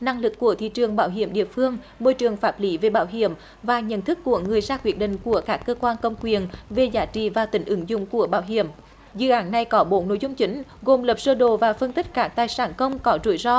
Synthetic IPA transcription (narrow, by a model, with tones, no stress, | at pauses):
na˧ŋlɨ˨˩kːu˧˩ət̪ʰḭ˧˨t͡ɕɨ˨˩əŋɓaː˧˦wɦḭ˧˩əmɗḭ˧˨əfɨ˧əŋ | mo˧jt͡ɕɨ˨˩əŋfaː˦˥p̚li˨˦ve˨˩ɓaː˧˥wɦi˧˨əm | vaː˨˩ɲə̰˧˨nt̪ʰɨ˦˥kːu˧˩əŋɨ˨˩əjzaː˧kwi˨˦ət̚ɗḭ̈˧˨ŋ̟ku˧˩əkaː˦˥kːəː˧kwaː˧nkə˧˩wŋ͡mkwi˨˩ənve˨˩zaː˨˦t͡ɕḭ˧˨vaː˨˩t̪ï˨˦ŋ̟ʔɨ˨˦ŋzʊ̰˧˨ŋ͡mku˧˩əɓaː˧˩wɦi˧˨əm | zɨ̰˧˨ʔaː˨˦nːa˨˩jkɔ˨˦ɓo˨˦no̰˧˥jzʊ˧ŋ͡mt͡ɕï˨˦ŋ̟ɣo˨˩mləː˨˩p̚z̥əː˧ɗo˧˨vaː˨˩fə˧nt̪ï˦˥k̟̚kaː˦˥k̚t̪aː˨˩jsaː˧˩nkə˧wŋ͡mkɔ˨˦zṵ˧˩˦jzɔ˧